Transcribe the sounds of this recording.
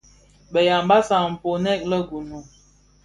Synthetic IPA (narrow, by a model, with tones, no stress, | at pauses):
bə˨ja˨m˦ba˦sa˨m̩˨po˨nɛ˦˨k̚lə˦ɡu˨nu˨